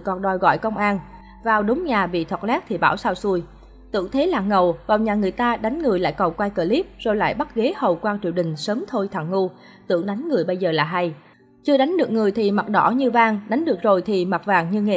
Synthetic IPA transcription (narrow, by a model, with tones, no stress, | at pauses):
kɔ˨˩nɗɔ˨˩jɣɔ̰˧˨jkə˧wŋ͡mʔaː˧n | vaː˨˩wɗʊ˨˦ŋ͡mɲaː˨˩vḭ˧˨t̪ʰwə˨˩t̚lɛ˦˥k̚t̪ʰi˨˩ɓa̰ː˧˩wsaː˧wsu˧əj | t̪ɨ̰˧˥əŋt̪ʰe˨˦laː˨˩ŋə˨˩wvaː˨˩wɲaː˨˩ŋɨ˨˩əjt̪aː˧ɗa˨˦jŋ̟ŋɨ˨˩əjla̰ː˧˨jkə˨˩wkwa˧jkəː˧˩li˦˥p̚zo˨˩jla̰ː˧˨jɓa˦˥t̚ɣe˨˦hə˨˩wkwaː˧t͡ɕḭ˧˨əwɗï˨˩ŋ̟səː˨˦mt̪ʰo˧jt̪ʰa̰˧˨˩ŋŋu˧ | t̪ɨ̰˧˥əŋɗa˨˦jŋ̟ŋɨ˨˩əjɓə˧jzəː˨˩laː˨˩ɦa˧j | t͡ɕɨ˧əɗa˨˦ŋ̟ɗɨ˨˩ək̚ŋɨ˨˩əjt̪ʰi˨˩ma˨˩t̚ɗɔ̰˧˥ɲɨ˧vaː˧ŋɗa˨˦jŋ̟ɗɨ˨˩ək̚zo˨˩jt̪ʰi˨˩ma˨˩t̚vaː˨˩ŋɲɨ˧ŋe˧